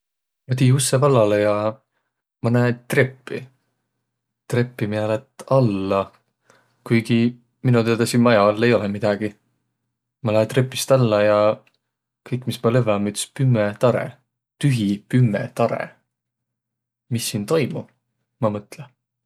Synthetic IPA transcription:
mɑt̪iːusːevɑlːɑlejɑ | mɑnæet̪re̞pːi | t̪re̞pːimiɑlet̪ːɑlːɑ | kujɡi | minut̪ed̪ɑsinmɑjɑɑlːe̞jo̞lɛmid̪̥ɑɡ̥i | mɑnæːt̪repːˑist̪ɑlːɑjɑ | kɤjkːˑmismɑlevɑmyt̪ːspymːet̪ɑɾḛ | t̪yɦipymːet̪ɑɾḛ | misːiːnt̪o̞jmu | mɑmɤt̪le

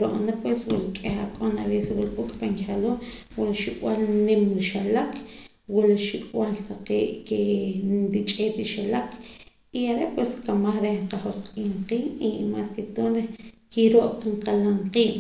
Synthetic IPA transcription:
ɾo̰ʔnapweswṵlkʼexakʼonaɾeswulkʼukʼpaŋkiχaloː | wulaʃikʼwalnemɾiʃalak | wulaʃikʼwalt̪aqeːʔkenɾit͡ʃʼeːt̪iʃalakʰ | iaɾepweskamaχɾehɴqaχosqʼiːɴqiːʔimasket̪oːnɾehkiɾoʔkɴqalaɴqiːʔ

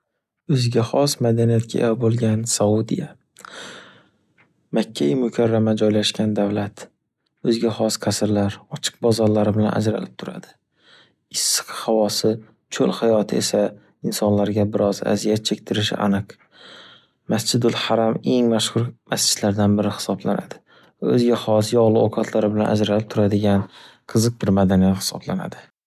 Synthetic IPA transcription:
ɵzɡʲaχɒsmad̪anijat̪̚kʲʰa̰ʔḛbolˠɡʲansaʊd̪ḭja | makʲʰːamʊkʲʰaɾːamad͡ʒɒjlaʃkʲʰand̪avlat̪ | ɵzɡʲaχɒsqʰasɪɾlaɾɒt͡ʃʰɨ̥q̚bɒzɒɾlaɾɪbɪlana̰d͡ʒɾa̰lɪp̚t̪ʰʊɾa̰d̪̥ɪ | ɪsːɨ̥qʰhavɒsɪ | t͡ʃʰolhajɒt̪ʰɪḛsa | ɪnsɒnlaɾɡʲabɪɾɒza̰zijat̪̚t͡ʃʰek̚ʲt̪ʰɪɾɪʃɪ̰ʔa̰nɨq | mast͡ʃʰɪd̪ʊlhaɾame̞ŋmaʃχʊɾmast͡ʃʰɪd̪̥laɾd̪anbɪɾɪhɪ̥sɒblana̰d̪̥ɪ̥ | ɵzɡʲahɒs̬jɒʁlˠɪoqʰat̪ʰlaɾɪbɪlanʔa̰d͡ʒɾalɪp̚t̪ʰʊɾad̪ɪɡʲan | qʰɨzɨq̚bɪɾmad̪anijahɪ̥sɒ̰blana̰d̪ɪ

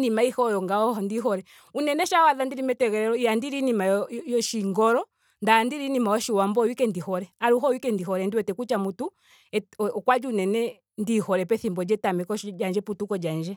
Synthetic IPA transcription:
nimaihɔjɔŋɡaɔhɔndiɦɔɾɛ | unɛnɛʃawaðandiɾimɛtɛɣɛɾɛɾɔijandiɾinimajjɔʃiŋɡɔɾɔ | ndandiɾinimaɔʃiwambɔwikɛndihɔɾɛaɾuɦɔwikɛndihɔɾɛndiwɛtɛkut͡ʃamutu | ɛkwad͡ʒuunɛnɛ | ndihɔɾɛpɛθimbɔd͡ʒɛtamɛkɔd͡ʒand͡ʒɛputukɔd͡ʒand͡ʒɛ

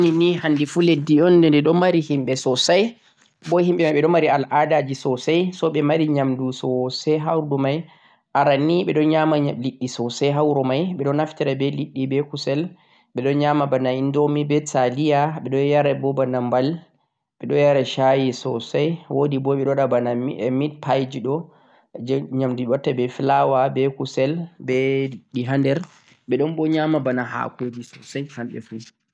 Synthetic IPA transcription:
ninihandifuledːiɔndɛndɛɗɔmaɾihimɓɛsɔsaj | bɔhimɓɛmajɓɛɗɔmaɾialʔadad͡ʒisɔsajsɔɓɛmaɾiɲamdusɔsɛɦawɾdumaj | ʔaɾaniɓɛɗɔɲamaliɗːisɔsajɦawɾɔmajɓɛɗɔnaftiɾabɛliɗːibɛkusɛl | ɓɛɗɔɲamabanaindɔmibɛtalijaɓɛɗɔjaɾɛbɔbanambal | ɓɛɗɔjaɾɛʃajisɔsajwodibɔɓɛɗɔɗabanamit̚pʰajd͡ʒiɗɔ | ɲamduwatːabɛfilawabɛkusɛlbɛiɗːiɦandɛɾ | ɓɛɗɔnbɔɲamabanaha̰kod͡ʒisɔsajhamɓɛ̰fu

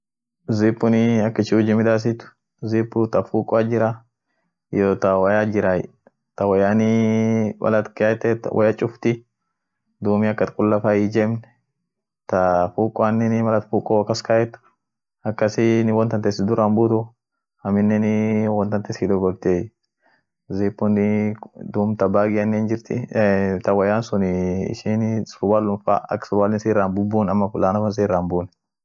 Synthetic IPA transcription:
zipːʊnɪɐkːɐt͡ʃɪʊd͡ʒɪmɪd̪aːs̬ɪt̪ʊ̥ | zipːʊt̪ɐfuːkʼʊaːd͡ʒɪɾa | joːt̪ɐwɐjaːd͡ʒɪɾaj̰ | t̪ɐwɐjaːnɪwɐ̰lɐt̪kat̪ːet̪wʔɐ̰jɐt͡ʃʼʊft̪ɪ | d̪uːmɪɐkːɐt̪kʼʊlːɐfaːjɪd͡ʒemnɛ̥ | t̪ɐfuːkʼʊaːnːɪnmɐlɐt̪fuːkʼɔwkːɐskaːjɛt̪ːʊ̥ | ɐkːɐsɪnɪwɔnt̪ɐnt̪ɛsɪd̪ʊɾaːmbuːt̪ʊ | ɐmɪnːɛnɪwɔnt̪ɐnt̪ɛsɪd̪ʊɡɔɾt̪e | zeːpːʊnɪd̪uːmt̪ɐbaːɡɪɐnːeːnd͡ʒɪɾt̪ɪ̰t̪ɐwɐjaːnsʊnɪɪ̰ʃinsʊɾbaːlːʊmfa̰ːɐ̰kːsʊɾbaːlɪnsiːraːnbʊbːuːnɐmːɐfʊlaːnɐfɐns̬eːrːaːmbuːn

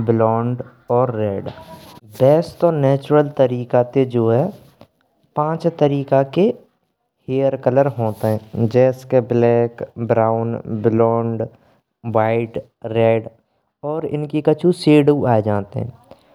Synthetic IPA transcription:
bɪlɔːɳɖ | ɔːɾːɛːɖbɛːsʈɔːɾnɛːt͡ʃɾəlt̪əɾiːkat̪ed͡ʒoːɦɛː | pãːt͡ʃt̪əɾiːkake | heːəɾkələɾɦoːt̪eɦɛ̃ːd͡ʒɛːskeblɛːkbɾaːʊnbɪlɔːɳɖ | ʋaːɪʈ | ɾɛːɖ | ɔːɾɪ̰nkikət͡ʃʰuseːɽuaːed͡ʒaːt̪ḛɦɛ̰̃ː

